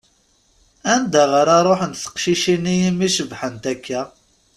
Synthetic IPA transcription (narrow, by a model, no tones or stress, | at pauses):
ænd̪æʁəɾɑɾˤoħənt̪θə̥qʃiʃinijimiʃəvħənt̪ækʰːæ